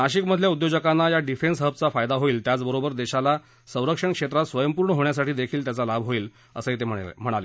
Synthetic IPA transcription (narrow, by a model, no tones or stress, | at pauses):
naɕikməd̪ʱljaud̪jod͡ʑəkanːajaɖifensɦəp̚t͡safajd̪aɦoiːlt̪jat͡sbəɾobəɾd̪eɕala | sə̃w̃ɾəkʂəɳkʂet̪ɾat̪sʋəjəmpuɾɳəɦoɳjasaʈiːd̪ekʰiːlt̪jat͡salabʱɦoiːl | əsəɦet̪̬eəm̤əɽ̃ale